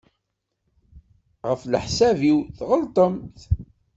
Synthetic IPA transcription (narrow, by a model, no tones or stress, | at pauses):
ʁəflə̰ħsæviwθʁəlt̪ˤəmt̪